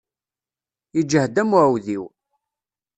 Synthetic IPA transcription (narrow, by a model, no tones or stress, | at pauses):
id͡ʒːəhd̪æmʕwðiw